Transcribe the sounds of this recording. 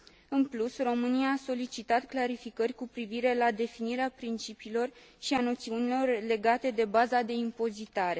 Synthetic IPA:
ɨnplusro̞mɨniaːso̞lit͡ʃit̪at̪klaɾifikərʲkupɾiviɾe̞lad̪e̞finiɾeapɾint͡ʃipiːlo̞r | ʃiano̞t̪siunilo̞rle̞ɡat̪e̞d̪e̞bazad̪e̞impo̞zit̪aɾe̞

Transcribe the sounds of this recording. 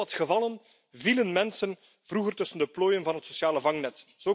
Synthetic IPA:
ɑtxəvɑlˠən | vilənmɛnsən | vruɣərtɵsəndəploːjənvɑnɦətsosjaːləvɑŋnɛtz̥oː

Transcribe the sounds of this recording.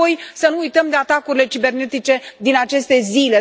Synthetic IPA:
ojsənuːjt̪əmd̪e̞at̪akuɾile̞t͡ʃibe̞rne̞t̪it͡ʃe̞d̪inat͡ʃe̞st̪e̞zile̞

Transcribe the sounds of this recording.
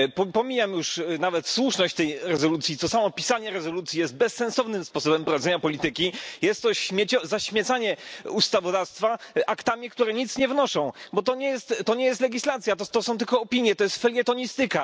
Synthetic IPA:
pɔpɔmʲijamjuʂnavɛt̪swuʂnɔɕt͡ɕt̪ɛjɾɛzɔlut̪sʲit̪ɔsamɔpʲisaɲɛɾɛzɔlut̪sʲijɛzd̪̚bɛsːɛ̃nsɔvnɘmspɔsɔbɛmpɾɔvad̪zɛɲapɔlʲit̪ɘkʲijɛst̪ːɔɕmʲɛt͡ɕɔzaɕmʲɛt̪saɲɛust̪avɔd̪afst̪faʔakt̪amʲikt̪uɾɛɲit̪sɲɛvnɔʂɔ̃w̃bɔt̪ɔɲɛjɛst̪ːɔɲɛjɛst̪lɛɡʲislat̪sʲjat̪ɔt̪ɔsɔ̃w̃t̪ɘlkɔːpʲiɲjɛt̪ɔjɛst̪fɛlʲɡɛt̪ɔɲist̪ɘka

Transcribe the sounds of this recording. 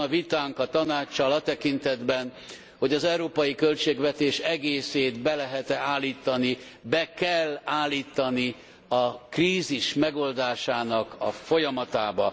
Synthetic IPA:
ɒvit̪aːŋkɒt̪ɒnaːt͡ʃːɒlɒt̪ɛkint̪ɛd̪bɛn | ho̞ɟɒzɛuɾoːpɒjikø̞lt͡ʃeːɡvɛt̪eːʃɛɡeːseːt̪bɛlɛɦɛt̪ɛaːlːiːt̪ɒni | bɛkɛlːaːlːiːt̪ɒni | ɒkriːziʃmɛɡo̞ld̪aːʃaːnɒkɒ̰fo̞jɒmɒt̪aːbɒ

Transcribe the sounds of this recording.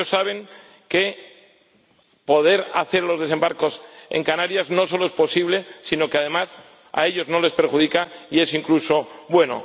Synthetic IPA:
osːaβ̞e̞ŋ | ke̞ | po̞ð̞e̞ɾa̰θe̞ɾlo̞zðese̞mbaɾko̞se̞̰ŋkanaɾjazno̞so̞lo̞espo̞siβ̞le̞sino̞keaðe̞mas | a̰e̞ʎo̞zno̞le̞spe̞ɾxuð̞ikaie̞siŋkluso̞βwe̞no̞̰

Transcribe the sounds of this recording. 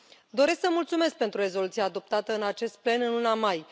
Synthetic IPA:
d̪o̞ɾe̞sksəmult̪sume̞sk̚pe̞nt̪ɾuɾe̞zo̞lut̪siaːd̪o̞p̚t̪at̪əɨnat͡ʃe̞st̪̚ple̞nɨnlunamaj

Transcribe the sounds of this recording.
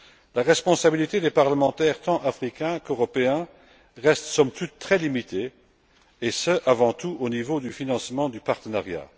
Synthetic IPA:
laʁɛspɔ̃sabilit̪ed̪epaʁləmɑ̃t̪ɛːʁt̪ɑ̃ʔafχikɛ̃køʁɔpeɛ̃ | ʁɛst̪sɔmt̪ut̪ːχɛlimit̪ʰe | esəʔavɑ̃t̪uʔonivod̪yfinɑ̃smɑ̃d̪ypaʁt̪ənaʁja̰

